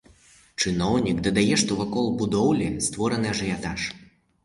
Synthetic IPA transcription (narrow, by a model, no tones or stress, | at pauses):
t͡ʂɨnɔwnʲikd̪ɐd̪ajɛʂt̪ɔvɐkɔlˠbud̪ɔwlʲɛst̪vɔɾɐnɨjɐʐɨjat̪aʂ